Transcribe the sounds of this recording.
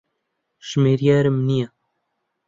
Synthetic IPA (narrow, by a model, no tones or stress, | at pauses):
ʃmeːɾijaːɾɪmnija